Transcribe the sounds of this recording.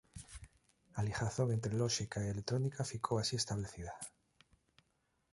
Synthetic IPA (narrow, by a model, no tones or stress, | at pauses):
alixaθoɣe̞nt̪ɾeloʃikaielet̪ɾo̞nikafikʰoasie̞st̪aβle̞θiða